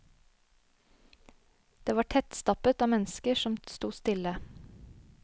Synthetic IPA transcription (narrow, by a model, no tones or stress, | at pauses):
d̪̥eːʋɑːʈʰɛt̪st̪ɑpət̪ɑːmɛnskəʃɔmst̪uːst̪ɪlə